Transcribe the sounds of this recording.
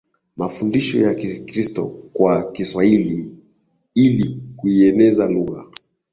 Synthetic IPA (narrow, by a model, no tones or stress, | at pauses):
mafundiʃɔ̰jakikɾistɔkwakiswahili | ilikuiɛnɛzaluɣa